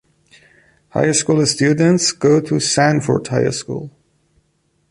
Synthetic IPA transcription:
ha̰ɪəskulˠəstjʉdⁿntsɡ̥oʊɾʰɨsæ̃nfə̰˞dhaɪə̰skṵlˠ

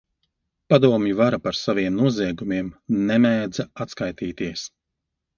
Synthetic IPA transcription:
pad̪uɔmjivaɾapaɾsaviɛmnuɔziɛɡumiɛmnɛmɛːd̪zaat̪skajt̪iːt̪iɛs

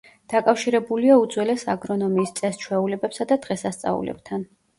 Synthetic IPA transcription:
d̪̥akʼafʃiɾɛbuliaud̪zwɛlɛsaɡɾɔnɔmiːst̪sʼɛst͡ʃʰwɛulɛbɛpsad̪ad̪̥ʁɛsast̪sʼa̰ṵlɛ̰b̚t̪ʰan

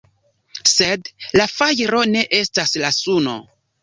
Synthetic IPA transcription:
se̞dlafajɾo̞ne̞ʔe̞staslasuno̰

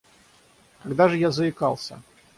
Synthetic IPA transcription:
kɐɡd̪aʐɨjazɐɪkalˠsʲɐ̰

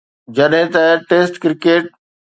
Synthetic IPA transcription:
d͡ʑɐɗɦɪ̃t̪ɐʈeːsʈkɾɪkeːʈ̚

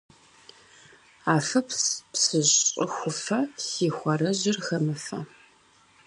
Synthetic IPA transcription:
aːfɐppsɨʑqʼʊxʷʊfɐsiːxʷɐrɐʑɪrxɐmɨfɐ̰

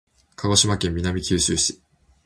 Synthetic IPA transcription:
kʰaɡo̞ɕimakẽ̞mːʲinamʲikʲɨːɕɨːɕi̥

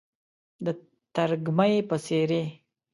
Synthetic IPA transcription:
d̪ə | t̪aɾɡmajepəseɾe

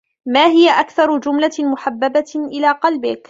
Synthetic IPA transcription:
maːɦɪjaʔakθɑɾˤʊd͡ʒʊmlamʊħabːabaʔɪlaːqɑlbɪk

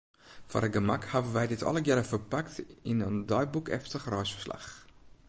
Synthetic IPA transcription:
fo̰rəɡəmakhavənʋɛjdɪtɔ̰ləɡɪɾəfərpaktɪnəndɔjbukɛ̰ftəχrœjsfərsla̰χ

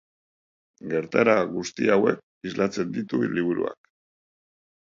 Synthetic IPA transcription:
ɡe̞ɾt̪aɾaɣust̪iawe̞k | izlʔat͡se̞nd̪it̪uliβuɾṵa̰k

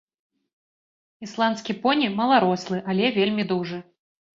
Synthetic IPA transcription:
islˠant̪skʲipɔnʲimɐlˠaɾɔslˠɨʔalʲɛvʲelʲmʲid̪uʐɨ

